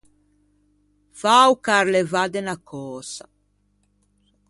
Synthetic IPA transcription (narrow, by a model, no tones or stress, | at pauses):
fawkaɾlɛvad̪ɛnakʰɔːsa